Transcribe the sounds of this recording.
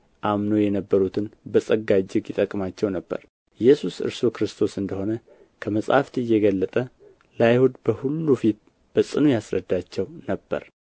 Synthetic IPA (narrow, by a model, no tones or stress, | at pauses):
ʔamno̞jɛnəbːəɾut̪ʰɨnbəsʼəɡad͡ʒɪɡjɪt̪ʼəkʼmat͡ʃːɛwnəbːə̰ɾ | jɛsusɨ̰ɾsukɾɨst̪ʰo̞sɨnd̪əho̞nə | kʰəməsʼha̰ft̪ɨjːɛɡəlːət̪ʼə | lajhud̪bəhulːufit̪̚ | b̥əsʼɨnujasɾəd̪ːat͡ʃːɛwnəbːə̰ɾ